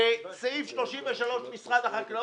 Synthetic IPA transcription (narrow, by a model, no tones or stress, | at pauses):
et͡saifʃlo̞ʃimveʃalo̞ʃmisʁad̪aχakla